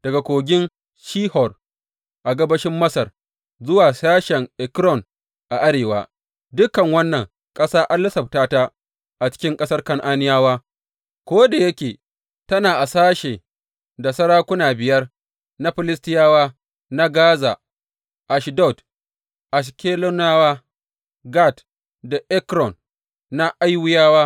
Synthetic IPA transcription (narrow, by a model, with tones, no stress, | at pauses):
d̥ɐ˨ɡa˨kʷoː˨ɡʲɪ˦n | ʃiː˦hɔ˨r | ʔa˨ɡɐ˦bɐ˦ʃɪ˦mːɐ˦sɐ˨r | zʊ˦waː˨saː˦ʃɛ˨ŋʔɛ˨kɾɔ˦˨n | ʔa˨ʔa˦ɽeː˨wa̰ː˦ | dʊ˦kɐ˨ŋwɐ˦nːɐ˨ŋ | kʼɐ˦saː˦ʔa˦nlːɐ˦sɐ˨p̚taː˦ta˦ | ʔa˨t͡ʃɪ̥˦kʲɪ˦ŋkʼɐ˦sɐ˦rkɐ˦ŋʔaː˦nɪ˦jaː˦waː˦ | kʷoː˦da˨jɐ˦kʲeː˨ | tɐ˦naː˨ʔa˨saː˦ʃeː˨ | da˨sɐ˦ɾaː˦kʷʊ˦naː˨bɪ˨jɐ˦r | na˦ɸɪ˨lɪ˦stɪ˦jaː˦waː˦ | na˦ɡaː˦zaː˨ | ʔa˨ʃdɔ˦˨t | ʔa˨s̬kʲeː˦lo˦naː˦waː˦ | ɡa˦˨t | da˨ʔɛ˦kɾɔ˨n | na˦ʔa˦jwʊ˦jaː˦waː˦